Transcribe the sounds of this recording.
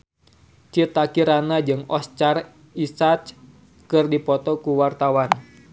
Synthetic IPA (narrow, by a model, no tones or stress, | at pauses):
t͡ʃit̪akiɾanad͡ʒɨŋɔst͡ʃar | isat͡ʃ | kɨrdipɔt̪ɔkuwart̪awan